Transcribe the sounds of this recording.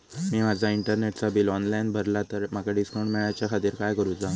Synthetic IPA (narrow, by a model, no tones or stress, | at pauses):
miːmad͡zʱaiɳʈəɾneʈt͡sabiːlɔnlajnbʱəɾlat̪əɾmaɡaɖiskoɳmeɭajat͡ɕjakʰat̪iːɾkajkəɾũːd͡za